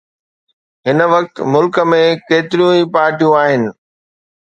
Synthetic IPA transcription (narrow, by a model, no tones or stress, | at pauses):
ɦɪnəʋɐk̚t̪mʊlkə̆mẽkeːt̪ɪɾjũipaːɾʈijũaːɦɪnɪ̆